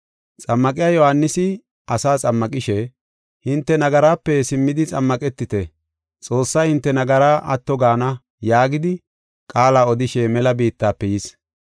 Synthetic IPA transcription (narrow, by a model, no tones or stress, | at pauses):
t͡sʼɐmːɐkʼɪjaːjɔhanːɪsɪ | ɐsaːt͡sʼɐmːɐkʼɪʃɛ | hɪnt̪ːɛnɐɡɐɾaːpːɛsɪmːɪd̪ɪt͡sʼɐmːɐkʼɛt̪ːɪt̪ɛ | t͡sʼo̞ːsːɐjhɪnt̪ːɛnɐɡɐɾaːʔɐt̪ːɔɡaːnɐ | jaːɡɪd̪ɪ | kʼaːlaːɔd̪ɪʃɛmɛlɐbiːt̪ːaːpːɛjɪs